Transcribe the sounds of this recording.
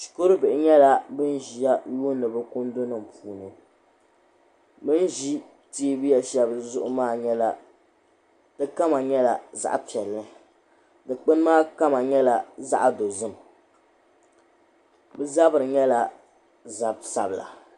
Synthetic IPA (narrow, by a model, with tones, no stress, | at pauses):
ʃi̥˨ko˦ɾɨ˦bɪ˨ʔɪ˨ɲɛ˦la˦bɨ˦n˦ʒi˨ja˦joː˦nɨ˨bɨ˦kʊ˦ndo˦nɨ˨m˨puː˨nɨ˨ | bɨ˦n˦ʒi˦ | ti˦bɨ˦ja˦ʃɛ˦bzʊ˦ʔʊ˨maː˦ɲɛ˦la˨ | d̥ɨ˦ka˦ma˨ɲɛ˦la˨za̰˦ʔpi˨ɛ˨lːɨ˦ | dɨ˨k͡pɨ˦n˦maː˦ka˦ma˨ɲɛ˦la˨za̰˦ʔdo˨zɨ˦m˨ | bɨ˦za˦bɨ˨ɾɨ˨ɲɛ˦la˨ | za˨bsa̰˨bla̰˨